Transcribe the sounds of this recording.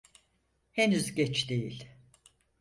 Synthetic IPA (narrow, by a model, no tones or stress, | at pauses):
henyzɟɛt͡ʃd̪e̞jilʲ